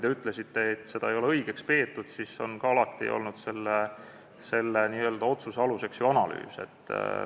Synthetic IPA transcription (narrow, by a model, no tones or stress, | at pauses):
ijd̪̥e̞yt̪ːˑle̞sit̪ːe̞et̪ːse̞d̪̥ɑejo̞le̞ɤjɡ̥e̞kspe̞ːt̪ːˑud̪̥sisːo̞̰nkɑɑlɑt̪ːˑḭʔo̰lnud̪̥se̞lːe | se̞lːeniːøːld̪ɑo̞t̪suseɑluse̞ksjuɑnɑly̰ːse̞̰t̪ˑː